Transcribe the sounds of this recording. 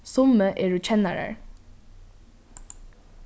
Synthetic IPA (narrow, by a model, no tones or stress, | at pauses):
sʊməʔeːɹʉːt͡ʃʰɛnæ̰ɹə̰ɹ